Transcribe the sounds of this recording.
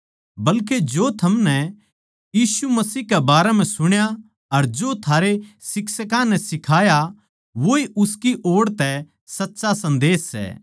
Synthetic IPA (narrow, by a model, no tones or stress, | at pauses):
bɐlked͡ʒoːt̪ʰɐmnɛ | jiːsumɐsiːɦkɛbaːɾɛm̤ɛ̃sʊɽ̃ja | ɐɾd͡ʒoːt̪ʰaːɾesɪksəkãnɛsɪkʰaːja | ʋoiʔʊskiʔoːɽt̪ɛ | sɐtːʃasɐ̃nd̪eːsːɛ̰ː